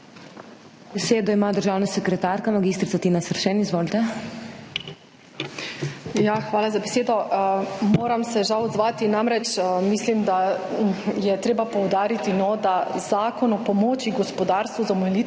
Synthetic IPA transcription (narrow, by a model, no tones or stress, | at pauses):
bɛseːd̪ɔimaːd̪əɾʒaːwnasɛkɾɛt̪aːɾkamaɡiːst̪ɾit̪sat̪inasərʃɛnizʋoːlt̪ɛ | jaxʋaːlazabeseːd̪ɔ | moːɾamsɛʒawɔd̪zʋaːt̪inamɾɛt͡ʃːmislimd̪a | jɛt̪ɾeːbapɔwd̪aːɾit̪inɔd̪azaːkɔnɔpɔmoːt͡ʃiɡɔspɔd̪aːɾst̪ʋuzamɔɛli